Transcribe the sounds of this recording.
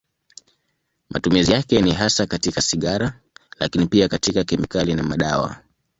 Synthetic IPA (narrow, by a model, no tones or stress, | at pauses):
mʔa̰tumizijakɛniɦasakatikasiɠaɾa | la̰kinipiakatikakɛmikalinamaɗawa̰